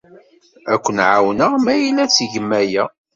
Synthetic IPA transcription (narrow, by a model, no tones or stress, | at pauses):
ækʷːənʕawnəʁmæjilæt͡sːʝəmːæjæ